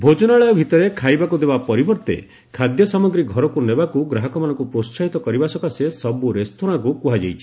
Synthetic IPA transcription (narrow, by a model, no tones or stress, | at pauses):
bʱod͡ʒɔnaɭejɔbʱit̪ɔɾekʰajbakud̪ebapɔɾibɔɾt̪ḛ | kʰad̪jɔsamɔɡɾiɡʱɔɾɔkunebakuɡɾaɦɔkɔmanɔ̃ŋkupɾossaɦit̪ɔkɔɾibasɔkasesɔbuɾest̪ʰoɽ̃akukuɦad͡ʒejt͡ʃʰi̥